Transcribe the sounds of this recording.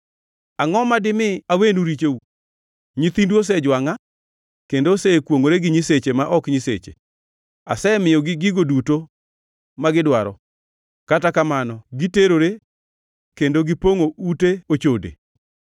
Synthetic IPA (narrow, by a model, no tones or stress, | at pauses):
aŋɔmadɪmɪawenuɾit͡ʃeu | ɲit̪induos̬ɛd͡ʒwaŋa | kendosekwoŋoɾeɡɪɲɪset͡ʃemaʔɔkɲɪset͡ʃḛ | a̰sɛmɪjɔɡɪɡiɡoduto | maɡɪdwaɾɔ | katakamanɔɡiteɾoɾe | kendoɡɪpoŋouteot͡ʃodḛ